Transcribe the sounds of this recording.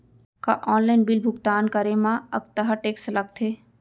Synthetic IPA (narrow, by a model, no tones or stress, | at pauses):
ka̰ʔɔːnlaɪnbɪlbʱʊɡt̪aːnkɐɾemãɐɡt̪ɐɦaʈeːkslɐɡ̚t̪ʰeː